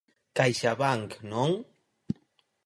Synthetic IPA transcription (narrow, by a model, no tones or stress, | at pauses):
kajʃaβaŋknoŋ